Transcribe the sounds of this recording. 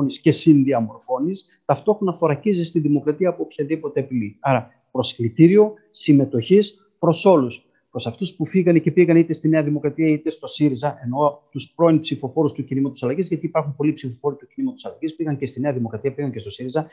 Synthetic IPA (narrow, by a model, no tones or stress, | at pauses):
nisce̞sinðiɐmo̞ɾfo̞nis | t̪ɐft̪o̞xɾo̞nɐθo̞ɾɐcizist̪iðimo̞kɾɐt̪iɐːpoopçɐðipo̞t̪eːpiliɐɾɐ | pɾo̞sklit̪iɾio̞ | sime̞t̪o̞çis | pɾo̞so̞lus | pɾo̞sɐft̪uspufiɣɐnecepiɣɐnit̪e̞st̪ine̞ɐðimo̞kɾɐt̪iɐit̪e̞st̪o̞siɾizɐʔe̞no̞t̪uspɾo̞inipsifo̞fo̞ɾust̪ucinimɐt̪u̥sɐlɐʝizʝɐt̪iːpɐɾxumpo̞lipsifofo̞ɾit̪ucinimɐt̪u̥sɐlɐʝispiɣɐnce̞st̪ine̞ɐðimo̞kɾɐt̪iɐpiɣɐncest̪o̞siɾizɐ